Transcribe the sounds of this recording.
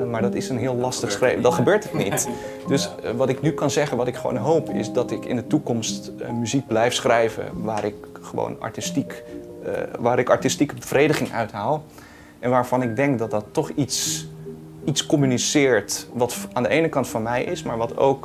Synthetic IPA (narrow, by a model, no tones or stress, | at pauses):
maːɹdɑtɪsənɦɪːlˠlɑstəχsχredɑtχəbøːɹtətnit | dɵsʋɑtɪknykɑnzɛχənʋɑtɪkχəʋo̰wnɦowpʰɪ̰sdɑtɪkɪ̰ndətukɔmstmyzik̚blɛjfsχrɛjvə̰ʋaːɾɪkχəʋo̰wnɑ̰ɹtistik | ʋaːɾɪkɑ̰ɹtistikəbəvrejdəχɪŋœ̰ɥtɦaːlˠ | ʔɛnʋaːɹv̥ɑnɪɡ̚dɛŋkdɑt̚dɑtːɔχits | itskɔmynisɪːɹtʋɑtaːndəʔejnəkɑntfɑnmɛjʔɪsmaːɹʋɑtʰo̰wk